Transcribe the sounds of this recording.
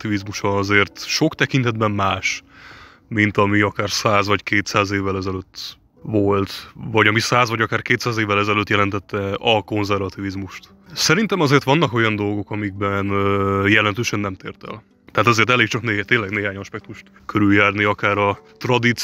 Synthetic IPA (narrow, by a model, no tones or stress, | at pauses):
t̪ivizmuʃɒɒzeːrt̪ʃo̞kt̪ɛkint̪ɛd̪̚bɛmmaːʃ | mint̪ɒmiɒkaːrsaːzvɒckʰeːt̪saːzeːvːɛlɛzɛløt̪ː | vo̞lt̪vɒɟɒmisaːzvɒɟɒkaːrkeːt̪saːzeːvːɛlɛzɛløːt̪jɛlɛnt̪ɛt̪ːɛɒko̞nzɛrvɒt̪ivizmuʃt̪ | sɛɾint̪ɛmɒzeːrt̪ʋɒnːɒko̞jɒnd̪o̞lɡo̞kɒmiɡ̚bɛnjɛlɛnt̪øːʃɛnːɛmt̪eːrt̪ɛ̰l | t̪ɛɦaːt̪ɛzeːrt̪ɛleːk̚t͡ʃɒknet̪eːnlɛɡneːɦaːɲɒʃpɛk̚t̪uʃt̪ | kʰøɾyljaːrniɒkaːɾɒt̪rɒd̪it̪